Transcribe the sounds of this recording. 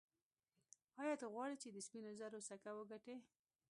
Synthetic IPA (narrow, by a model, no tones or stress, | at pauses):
ɑjɑt̪ɣwɑɽit͡ʃed̪əspinozaɾosakawəɡaʈe